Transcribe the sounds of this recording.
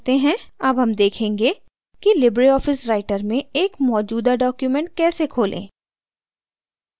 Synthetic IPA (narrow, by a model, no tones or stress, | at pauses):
t̪eɦɛ̃ɐbɦɐmd̪eːkʰẽːŋɡe | kilɪbɾiɔːfɪsɾaːɪʈəɾmẽeːkmɔːd͡ʒuːd̪aɖɔːkjumɛ̃ɳʈ̚kɛːsekʰoːlʔḛ̃ː